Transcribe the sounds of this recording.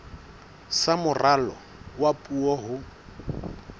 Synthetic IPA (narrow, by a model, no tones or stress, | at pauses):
samʊralɔ | wapʼuɔɦʊ